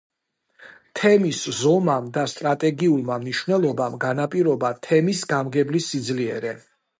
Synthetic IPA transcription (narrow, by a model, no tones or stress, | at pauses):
t̪ʰɛmiszɔmamd̪ast̪ʼɾat̪ʼɛɡiulˠmamniʃvnɛlˠɔbamɡanapʼiɾɔbat̪ʰɛmisɡamɡɛblisːid̪zliɛɾɛ